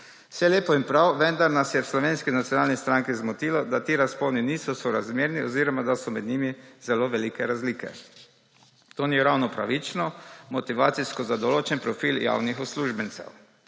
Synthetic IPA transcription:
w̥sɛleːpɔimpɾawʋɛnd̪aɾnasjɛwslɔʋeːnskinat̪sjɔnaːlnist̪ɾaŋkizmɔt̪iːlɔd̪at̪iːɾaspowniniːsɔsɔɾazmjeːɾniɔziːɾɔmad̪asɔmɛd̪niːmiz̥ɛloːʋɛliːkɛɾazliːkɛ̰ | t̪oːniɾawnɔpɾa̰ʋit͡ʃnɔmɔt̪iʋaːt̪siskɔzad̪ɔloːt͡ʃɛnpɾɔfiːlja̰ːwnixɔsluːʒbɛnt̪sɛ̰w

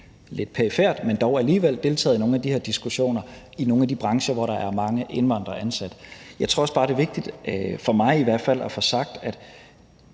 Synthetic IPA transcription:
le̝d̥̚pʰeifeɐ̰d̥mend̥ɒʊæliːʋel̰d̥e̝lt͡sʰɛ̰ːð̩ˠno̝ːn̩æd̥ihḛɐ̰d̥isɡ̥uɕo̝̰ːnɐ | ino̝ːn̩æd̥ib̥ʁɑ̈ŋɕɐʋɒɾɑ̈ʔæɐmɑ̈ŋəʔe̝nʋɑ̈n̰d̥ʁɐʔænsæd̥jɑ̈ɪt͡sʰʁɔ̝ɐɒsb̥ɑ̈ːɾ̥e̝ʋe̝ɡ̥̚d̥id̥fɒ̽mɑ̈ɪiʋæɐ̰d̥fæl̰ʔæfɒ̽sɑ̈ɡ̥̚d̥æd̥

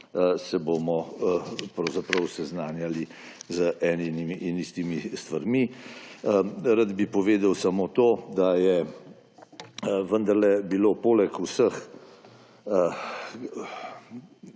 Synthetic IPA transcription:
sɛboːmɔ | pɾɐwzapɾəwsɛznaːnjalizəʔɛːninimiʔːnist̪imist̪ʋaɾmiəɾad̪bipɔʋeːd̪əwsamot̪oːd̪ajɛ | ʋənd̪ɐɾlɛbilopoːlɛkusəx | ə

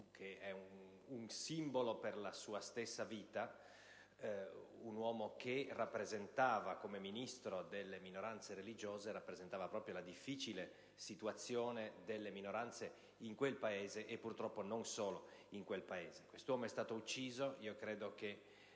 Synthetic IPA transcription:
kʰeɛu | uŋsimboloperlasuːast̪esːaviːt̪a | unwɔːmokʰerapːɾezent̪aːvakomeminist̪ɾod̪elːeminoɾant̪seɾelid͡ʒoːzeɾapːɾezent̪aːvapɾɔːpɾjolad̪ifːiːt͡ʃile | sit̪uat̪sːjoːned̪elːeminoɾant̪se | iŋkwelpaeːzeʔepːurt̪ɾɔpːononsoːloiŋkwelpaeːzekwest̪owɔːmoɛst̪aːt̪out͡ʃːiːzoiːokɾeːd̪oke

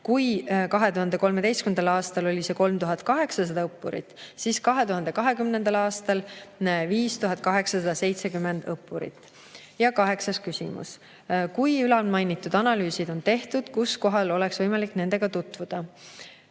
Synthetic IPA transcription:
kujkɑɦe̞t̪uɦɑnd̪e̞ko̞lme̞d̪e̞jskymend̪ɑlɑːst̪ɑlo̞lʲise̞ko̞lmt̪uɦɑt̪̚kɑɦe̞ksɑs̬ɑd̪ɑɤpˑːuɾḭt̪ːsiːskɑɦe̞t̪uɦɑnd̪ekɑɦe̞kymnend̪̥ɑlɑːst̪ɑlviːst̪uɦɑd̪̚ˑkɑɦe̞ksɑsɑd̪̥ɑse̞jt̪se̞kymːe̞nd̪̥ɤpːˑuɾḭt̪ːˑ | jɑkɑɦe̞ksɑskysʲḭmṵs | kujylɑlmɑjnit̪ːˑud̪ɑnɑlyːsid̪̥o̞nt̪e̞ht̪ud̪̥kusko̞ɦɑlo̞le̞ksvɤjmɑlikne̞ne̞ɡ̥ɑt̪ut̪ːˑvud̪̥ɑ

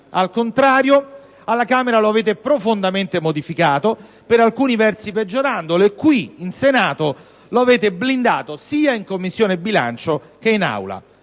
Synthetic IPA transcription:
alkont̪ɾaːɾjo | alːakaːmeɾaloaveːt̪̬epɾofond̪ament̪emod̪ifikaːt̪o | peɾalkuːnivɛrt̪siped͡ʒːoɾand̪olekːwiinsenaːt̪o | loaveːt̪eblind̪aːt̪osiːaiŋkomːisːjoːnebːila̰nt͡ʃo | k̟eina̰wla̰

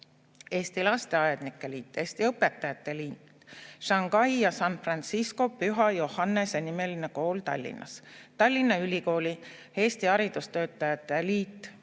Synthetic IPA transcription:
e̞ːst̪ilɑst̪e̞ɑjed̪nikːˑeliːt̪ːˑe̞ːst̪iɤpːe̞t̪ːˑɑjɑt̪ːˑe̞liːt̪ | ʃɑŋɡ̥ɑjjɑsɑnfrɑnt̪sisko̞pyɦɑjo̞hɑnːe̞se̞nime̞line̞ko̞ːlt̪ɑ̰lʲːḭnːʔɑ̰st̪ɑlʲːinːɑylʲiko̞ːlʲi | e̞ːst̪iɑɾid̪̥ust̪ø̞ːt̪ːˑɑjɑt̪ːˑeliːt̪ːˑ

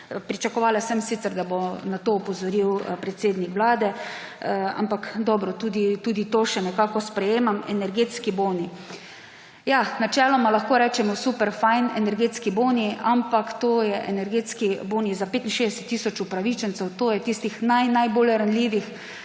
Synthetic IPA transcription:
pɾit͡ʃakɔʋaːlasɛmsit̪sɛɾd̪abonat̪oːpɔzɔɾiwpɾɛt̪seːd̪nikʋlaːd̪ɛ | a̰mpakd̪ɔbɾɔt̪uːd̪it̪uːd̪it̪oːʃɛnɛkaːkɔspɾɛjeːmamɛnɛɾɡeːt̪skiboni | janat͡ʃɛːlɔmalaxkoːɾɛːt͡ʃɛmɔsuːpɛɾfajnɛnɛɾɡeːt̪skiboniampakt̪oːjɛʔɛnɛɾɡeːt̪skiboːnizapeːt̪inʃeːzd̪ɛsɛ̥t̪ːiːsɔt͡ʃupɾaʋiːt͡ʃɛnt̪sɛwt̪oːjɛt̪ist̪ixnajnajbolɾanliːʋix

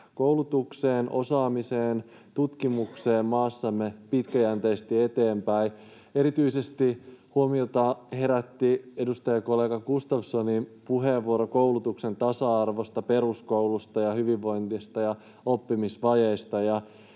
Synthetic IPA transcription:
koulut̪ukseːnʔo̞̰sɑːmiseːn | t̪ut̪kimukseːmmɑːsːɑmːepit̪kæjænt̪eist̪iet̪eːmpæi | e̞ɾit̪yisest̪ihuomiot̪ɑhe̞ɾæt̪ːie̞dust̪ɑjɑkolːeːɡɑkust̪ɑfsonimpuɦeʋːuoɾokoulut̪uksent̪ɑsɑɑrʋost̪ɑpe̞ɾuskowlust̪ɑjɑhyʋiʋːo̞jnt̪ist̪ɑjɑ | opːimisʋɑjeist̪ɑjɑ

